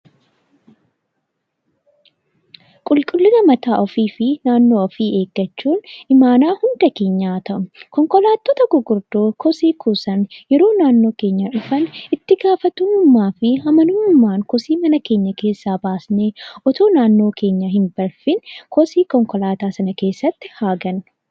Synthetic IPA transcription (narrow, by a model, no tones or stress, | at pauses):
kʼʊlkʼʊlːɪzɐmɐt̪aːʔɔfiːfɪnaːnːo̞ːɔfiːe̞ːɡːɐt͡ʃːuːnɪmaːnaːhʊnd̪ɐke̞ːɲːaːt̪ʰɐʔʊkɔŋkɔlaːt̪ːoːt̪ɐɡʊɡʊɾd̪oːkʰɔsiːkʰusɐnjɛɾo̞ːnaːnːo̞ːke̞ːɲːɐᶑʊfɐnɪt̪ːɪɡaːfɐt̪unʊmːaːfɪɦɐmɐnʊːnʊmːaːŋkɔsiːmɐnɐke̞ːɲːɐke̞ːsːaːbaːsneːʔɔt̪oːnaːnːo̞ːkʰe̞ːɲːɐɦɪnb̥ɐlfɪnkɔsiːkɔŋkɔlaːt̪aːsɐnɐke̞ːsːɐt̪ːɪ̥haːɡɐn